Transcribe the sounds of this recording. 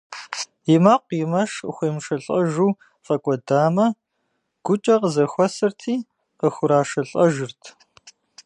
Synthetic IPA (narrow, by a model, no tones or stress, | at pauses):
jɪmaːqʷjɪmɐʂxʷeːmʂɐɬʼɐʒuː | fʼɐkʷʼɔdaːmɐ | ɡ̥ʷʊt͡ʃʼɐqəzɐxʷɔsɨrtʰiː | qəxʷʊɾaːʂɐɬʼɐʒɨrtʰ